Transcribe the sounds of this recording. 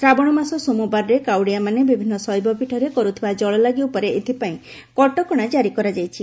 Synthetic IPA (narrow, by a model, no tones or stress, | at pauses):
t̪ɾabɔɽ̃ɔmasɔsomubaɾɾekawɽijamanebibʱinːɔsɔjbɔpiʈʰɔɾekɔɾut̪ʰibad͡ʒɔɭɔlaɡiupɔɾeet̪ʰipaĩ | kɔʈɔkɔɽ̃ad͡ʒaɾikɔɾad͡ʒajt͡ʃʰi